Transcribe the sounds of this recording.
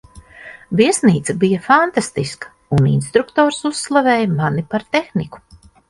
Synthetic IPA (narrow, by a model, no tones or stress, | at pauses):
viɛsniːt̪sɐbijafant̪ast̪iskɐ̥ | unḭnst̪ɾukt̪ɔːɾsusːlˠavɛːjmanipaɾt̪exniku̥